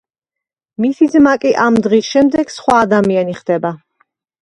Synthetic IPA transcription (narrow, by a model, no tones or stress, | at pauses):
misizmakʼiʔamd̪ʁisʃɛmd̪ɛɡ̥sχwaːd̪amianiχd̪ɛba